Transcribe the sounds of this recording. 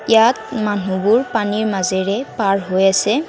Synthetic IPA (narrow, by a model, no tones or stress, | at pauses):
jatmanubʊɹpaniɹmazɛɹɛpaɹɦojasɛ